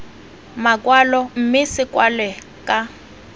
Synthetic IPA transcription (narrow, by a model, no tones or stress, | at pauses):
makʼwalɔm̩mɪsɪkʼwalɛ | kʼa